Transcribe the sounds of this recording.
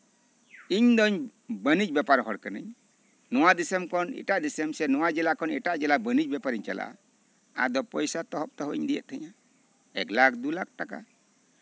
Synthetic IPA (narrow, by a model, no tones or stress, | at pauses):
iɲd̪ɔɲbənid͡ʒbɛpaɾɦɔɽkənə̰ɲ | nɔwad̪isəmkɔnḭʈaʔd̪isəmsɛnɔwad͡ʒɛlakɔnɛʈaʔd͡ʒɛlabənid͡ʒ̚bɛpaɾiɲt͡ʃa̰lʔa̰ | a̰d̪ɔpɔjsat̪ɔɦɔp̚t̪ɔɦɔʔiɲd̪ijɛ̰t̪̚ʰɛɲa | ɛ̰ɡlakd̪ulak̚ʈaka̰